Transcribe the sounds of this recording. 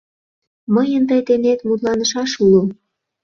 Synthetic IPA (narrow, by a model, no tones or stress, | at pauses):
məjənt̪əjt̪enet̪mut̪lɑnə̆ʃɑʃulo